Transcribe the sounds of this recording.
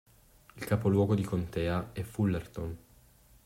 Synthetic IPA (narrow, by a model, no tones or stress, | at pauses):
ilkaːpolwɔːɡod̪ikont̪ɛːaɛfulːert̪on